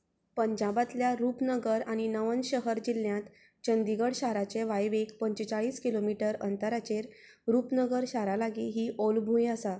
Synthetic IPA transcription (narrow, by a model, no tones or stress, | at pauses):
pəɲd͡ʑabat̪ljaɾupnəɡəɾaɽ̃inəʋənɕəɦəɾd͡ʑilːjãt̪ | t͡ɕənd̪iɡəɽɕaɾat͡ɕeʋajʋekpəɲt͡ɕət͡saɭiːskilomiʈəɾənt̪əɾat͡ɕeɾ | ɾuːpnəɡəɾɕaɾalaɡiːɦiːʔolbʱũjəsa